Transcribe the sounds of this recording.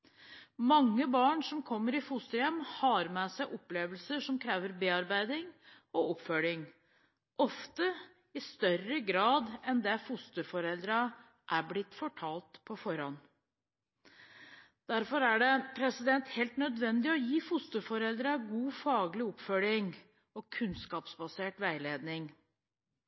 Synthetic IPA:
mɑŋːəbɑːɳʂɔmkʰɔmːəɾɪfʊst̪əɾjɛmhɑːɾmɛsæɪʔɔpleːʋəlsəʂɔmkʰɾeːʋəɾbeːɑɾbæɪd̪ɪŋ | ɔɔpfœlɪŋ | ʔɔft̪ə | ɪst̪œɾəɡɾɑːd̪ɛnd̪ɛfʊst̪əɾfɔɾɛld̪ɾɑ | ʔæɾblɪt̪ːfɔʈʰɑːlt̪pʰɔfɔɾɑn | d̪̥æɾfɔɾæɖɛpʰɾɛsɪd̪ɛnt̪hɛːlt̪nœd̪ʋɛnd̪ɪɔjiːfʊst̪əɾfɔɾɛld̪ɾɑɡuːfɑːɡlɪɔpfœlɪŋ | ɔkʰʉnskɑːpsbɑseːʈʋæɪleːd̪nɪŋ

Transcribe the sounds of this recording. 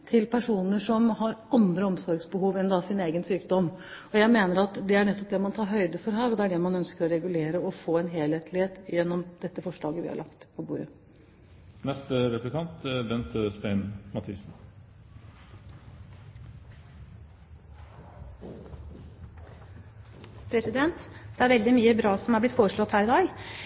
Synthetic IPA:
t̪ʰɪlpʰæʂuːnəʂɔmhɑɾɑnd̪ɾəɔmsɔɾɡsbəhuːʋɛnd̪ɑsɪneːɡənsyːkd̪ɔmɔjæɪmeːnəɾɑt̪d̪ɛæɳɛt̪ːɔp̚d̪ɛmɑnt̪ʰɑːɾɦœʏd̪əfɔɾɦæːɾɔd̪ɛæɖɛmɑnœnskəɾɔɾɛɡʉleːɾəɔfoːɛnɦeːlheːt̪ʰlɪheːt̪jɛnːɔmd̪̥ɛt̪ːəfɔʂɭɑːɡəʋɪ̰hɑ̰ɭʔɑ̰kt̪pʰɔbuːɾə | nɛst̪əɾɛplɪkʰɑnt̪bɛnt̪st̪æɪnmɑt̪ʰiːs̩ | pʰɾɛsɪd̪ɛnt̪d̪̥ɛæɾʋɛld̪ɪmyːəbɾɑːsɔmhæblɪt̪foːɾəʂɭɔt̪ːhæːɾɪd̪ɑːɡ

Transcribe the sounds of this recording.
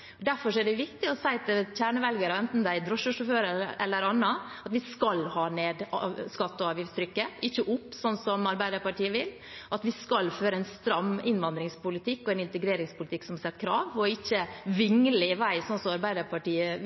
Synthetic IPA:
d̪æɾfɔʂɔɛɖɛʋɪkt̪ɪɔsæɪt̪ʰɪc͡çæːɳəʋɛlɡɑɾəɛnt̪n̩d̪æɪd̪ɾɔʂəʂɔføːɾəɾɛ̰lːəɾɑnːɑɑt̪ʋɪskɑlhɑːneːd̪ɑskɑt̪ːɔɑːʋjɪfst̪ʰɾʏkːəɪçːəʔʊpːsɔnsɔmɑɾbæɪd̪əɾpɑʈiːəʋɪl | ʔɑt̪ʋɪskɑlːføːɾəɛnst̪ɾɑmːɪnʋɑnd̪ɾɪŋspʊlɪt̪ʰɪkːɔɛnɪnt̪əɡɾeːɾɪŋspʰʊlɪt̪ʰɪksɔmhɑsɛt̪ːkʰɾɑːʋɔɪçːəʋɪŋlɪʋæɪsɔnsɔmɑɾbæɪd̪əɾpʰɑʈiːə

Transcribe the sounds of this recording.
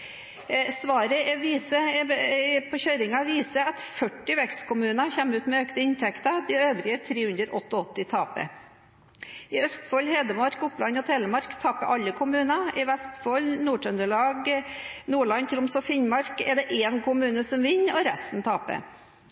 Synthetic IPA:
sʋɑːɾəɛʋiːsə | pʰɔçøːɾɪŋɑʋiːsəɑt̪fœʈːɪʋɛkst̪kʰʊmʉːnɑçɛmːʉːt̪mɛøːkt̪əɪnt̪ʰɛkt̪ɑd̪ɪøːʋɾɪət̪ʰɾeːhʉnd̪əɾʔɔt̪ːɔɔt̪ːɪt̪ʰɑːpə̰ | ɪœst̪fɔlheːd̪əmɑɾkʊplɑnɔt̪ʰɛːləmɑɾkt̪ʰɑːpəʔɑlːəkʰʊmʉːnɑʔɪʋɛst̪fɔlnuːʈœnd̪əɭɑːɡnuːɭɑnt̪ʰɾʊmsɔfɪnmɑɾkɛɖ̪ɛʔeːnkʊmʉːnəsɔmʋɪnːɔɾɛst̪n̩t̪ʰɑːpə̰

